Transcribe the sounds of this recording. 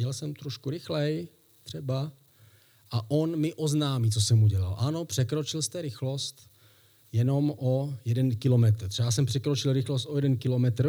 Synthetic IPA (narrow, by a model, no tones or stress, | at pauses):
ɛlsɛmt̪ɾoʃkuɾɪxlɛj | t̪r̥ɛba | ʔaʔonmɪʔo̞znaːmiːt͡sosɛmuɟɛla̰lʔano̞pr̝̥ɛkɾo̞t͡ʃɪlst̪ɛɾɪxlo̞st̪ | jɛno̞mʔo̞jɛdɛnkɪlo̞mɛt̪ɾ̩t̪rɛjaːs̬ɛmpr̥ɛkɾot͡ʃɪlɾɪxlost̪o̞jɛdɛnkɪlo̞mɛt̪r